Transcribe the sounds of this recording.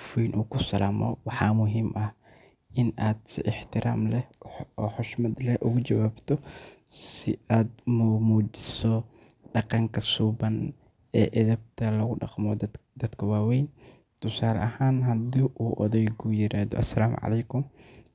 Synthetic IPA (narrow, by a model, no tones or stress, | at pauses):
fwɛjnʔuːkʰʊsɐlaːmɔ̰wɑħɑːmʊɦiːmʔɐh | ʔɪnaːd̪sɪ̰ʔɪħt̪ʰɪɾʔaːmlɛɔːħɔʃmɐd̪lɛʔʊɣʊt͡ʃɐwaːbt̪ʰɔsɪ̰aːd̪̚mumuːt͡ʃɪ̥sɔ | ɖɑqɑŋkʰɐsuːbɐn | ɛːʔɐðɐb̚t̪ʰɐlɐɣʊɖɑ̰qmɔd̪ɐd̪̥kʰɐwaːwɛjn | t̪ʰʊsaːlɐɐhaːnɦɐd̪iːʔuːʔɔðɛjɡujɪɾaːðɔ̰ʔɐsɐlaːm̰ʕɑ̰lɛjkʰʊm